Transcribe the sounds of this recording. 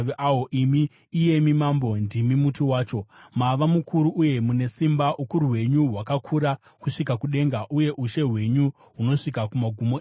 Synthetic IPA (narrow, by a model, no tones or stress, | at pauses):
aoʔimi | ije̞mimambo̞ndimimutiwaːt͡ʃo̞maʋamukʰuɾuʔuje̞mune̞simbaʔukuɾuwe̞ɲuɦwakakʰuɾa | kuʂikakuɗe̞ŋɡaʔuje̞ʔuʃe̞ɦwe̞ɲu | ɦuno̞ʂikakumaɡʱumo